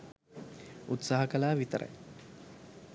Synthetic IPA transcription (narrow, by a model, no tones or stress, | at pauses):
ut̪saːɦɐkɐlaːʋit̪əɾʔə̰j